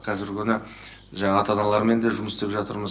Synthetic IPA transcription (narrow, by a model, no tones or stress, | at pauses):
qʰɑzɪɾkʲʰʏnɪ | ʒɑɴɑɑt̪ɑd̪ɑlˠɑɾme̞nd̪e̞ʒʊməst̪e̞pʒɑt̪əɾməz